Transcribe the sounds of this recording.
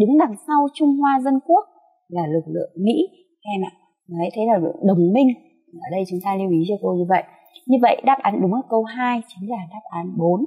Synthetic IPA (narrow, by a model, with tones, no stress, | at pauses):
ɗɨ˨˦ŋɗa˨˩ŋsa˧wt͡ɕʊ˧ŋ͡mhwaː˧zə˧nku˦˥ək̚ | laː˨˩lɨ˨˩k̚lɨ̰˧˨əŋmḭ˧˥ | ʔɛ˧mʔa̰ː˧˨ | mː˨˩ha̰˧˥t̪ʰə˨˦jlaː˨˩lɨ̰˧˨ə˨ŋɗə˨˩wŋ͡mmï˧ŋ̟˨˩˨ | ʔəː˨˩ɗə˧jt͡ɕʊ˨˦ŋ͡mt̪aː˧li˧əwʔi˨˦t͡ɕɔ˧ko˧ɲɨ˧və̰˧˨j | ɲɨ˧və̰˧˨jʔɗaː˦˥p̚ʔaː˨˦nɗʊ˨˦ŋ͡maː˨˩kə˧wɦaː˧jt͡ɕi˨˦ŋ̟zaː˨˩ɗaː˦˥p̚ʔaː˨˦nɓo˨˦n